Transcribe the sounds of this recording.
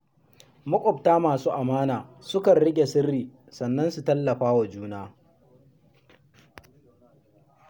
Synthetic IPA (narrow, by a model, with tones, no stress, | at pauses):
mʊ˦kʷʼɔ˨btaː˦maː˨suː˦ʔa˨maː˦naː˨sʊ˦kɐ˨nɽɪ˦ɡʲe˨sɪ˦rːiː˨ | sɐ˨nːɐ˦nsu˨tɐ˦lːɐ˨ɸaː˦wa˨d͡ʒuː˦naː˦